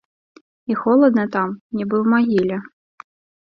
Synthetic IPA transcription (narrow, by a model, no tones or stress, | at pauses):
ixɔlˠɔd̪nɛt̪ɑmnʲibɨwmɐɦʲilʲɐ